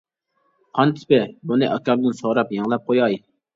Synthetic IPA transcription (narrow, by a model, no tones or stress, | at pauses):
qʰɑnt̪ʰɪ̥pɪbunɨʔɑkʲɑmd̪ɨnsoʁɾɑpjɑŋlˠɑp̚qʰojɑj